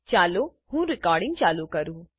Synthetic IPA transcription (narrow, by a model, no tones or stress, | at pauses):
t͡ʃaːluhũːɾikaːɾɖĩŋɡ̚t͡ʃaːlukɐɾu